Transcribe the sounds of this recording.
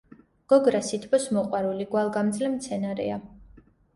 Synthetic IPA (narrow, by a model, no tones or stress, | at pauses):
ɡ̥ɔɡɾasit̪ʰbɔsmɔqʼwaɾuliɡwalˠɡamd̪zlɛmt̪sʰɛnaɾɛ̰a